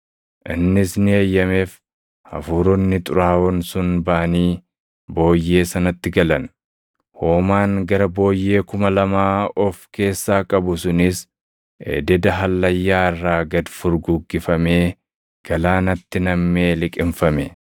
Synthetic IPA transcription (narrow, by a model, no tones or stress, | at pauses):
ʔɪnːɪsnɪɐjːɐme̞ːf | hɐ̰fuːɾɔnːɪt̪ʼʊɾaːwɔnsʊnbaʔɐniː | bo̞ːjːe̞ːsɐnɐt̪ːɪɡɐlɐn | ho̞ːmaːŋɡɐɾɐbo̞ːjːe̞ːkʊmɐlɐmaːɔfke̞ːsːaːkʼɐbʊsʊnɪs | ʔḛːd̪ɛd̪ɐɦɐlːɐjːaːɪrːaːɡɐd̪fʊɾɡʊɡːɪfɐme̞ː | ɡ̥ɐlaːnɐt̪ːɪnɐmːe̞ːlɪkʼɪmfɐmɛ